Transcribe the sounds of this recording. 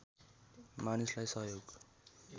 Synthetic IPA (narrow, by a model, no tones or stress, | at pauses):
manislajsʌɦjoɡ